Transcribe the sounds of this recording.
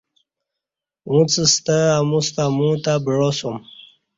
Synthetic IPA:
ũt͡səst̪əamũst̪amũt̪abɻosom

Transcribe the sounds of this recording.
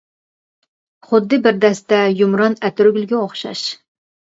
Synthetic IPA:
χʊd̪ːɨbɪɾd̪ɛst̪ɛjumɾɑnæt̪ʰyɾɡʲylɡʲɛoχʃɑ̰ʃ

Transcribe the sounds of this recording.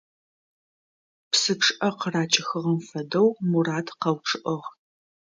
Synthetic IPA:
psɨpʈ͡ʂʰʼɨʔɐqraːt͡ʃʼɪxɨʁɐmfɐdɐwmuraːtʰqɐwʈ͡ʂʰʼɨʔɐʁ

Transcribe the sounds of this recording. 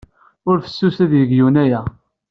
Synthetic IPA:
ʊɾfə̥sːusæðjəɡjunæjæ

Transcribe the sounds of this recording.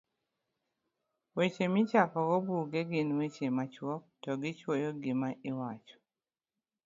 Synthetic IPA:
wet͡ʃemɪt͡ʃakɔkɔbuɡeɡɪnwet͡ʃemat͡ʃwɔk̚tɔɡɪt͡ʃwojoɡɪmaɪwat͡ʃɔ̥

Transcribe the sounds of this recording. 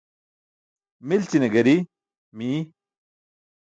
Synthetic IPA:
milt͡ɕineɡɐɾi | mi

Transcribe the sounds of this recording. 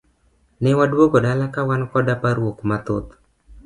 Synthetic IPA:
nɛwadwoɡodalakawankɔdapaɾwokmat̪ot̪

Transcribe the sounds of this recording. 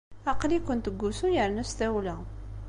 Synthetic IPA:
ɑqlikʊnt̪əɡːusujəɾnæst̪æwlæ

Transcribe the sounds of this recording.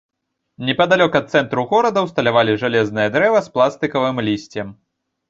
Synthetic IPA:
nʲɛpɐd̪alʲɔkɐt̪̚sɛnt̪ɾuɣɔɾɐd̪ɐwst̪ɐlʲavalʲiʐalʲɛznɨjɐd̪ɾɛvɐsplˠast̪ɨkɐvɨmlʲisʲt͡sʲɛm

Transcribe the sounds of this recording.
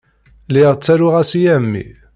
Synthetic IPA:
lɪʁt͡sːæɾʊʁæsijæmːḭ

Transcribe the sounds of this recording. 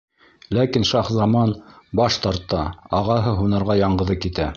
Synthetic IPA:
lækinʃɑχzɑmɑnbɑʃt̪ɑɾt̪ːɑɑʁɑɦɤɦunɑɾʁɑjɑɴɢɤ̆ðɤkit̪æ

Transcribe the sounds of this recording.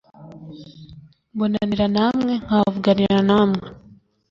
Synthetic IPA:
bonaniɾanamŋeŋavuɡaniɾɾanamŋe

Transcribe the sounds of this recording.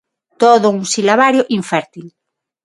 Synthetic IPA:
t̪oðounsilaβaɾjoʔiɱfɛɾt̪il

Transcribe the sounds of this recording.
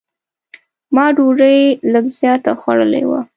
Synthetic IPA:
mɑɖuɾəjləɡzjɑt̪axwaɽəlḛwa̰

